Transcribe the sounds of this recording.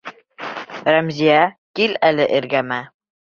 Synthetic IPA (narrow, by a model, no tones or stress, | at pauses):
ɾæmzʲijækilælɘʔɘɾɡæmæ